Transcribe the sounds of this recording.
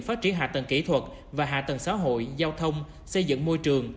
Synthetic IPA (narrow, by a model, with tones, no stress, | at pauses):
faː˦˥t̚t͡ɕi˧˩ənɦa̰ː˨˩t̪ə˨˩ŋki˧˩t̪ʰwə˨˩t̚ | vaː˨˩ɦa̰ː˧˩t̪ə˨˩ŋsa̰ː˧˦ɦo̰˧˨jzaː˧wt̪ʰə˧wŋ͡m | sə˧jzɨ̰˧˨ŋmo˧jt͡ɕɨ˨˩əŋ